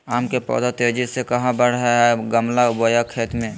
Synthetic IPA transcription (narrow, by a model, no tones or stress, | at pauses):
aːmkepɔ̰ːd̪at̪ed͡ʒisekɐɦãbəɽ̤ɦəɦɛɡəmlabojakʰeːt̪mẽ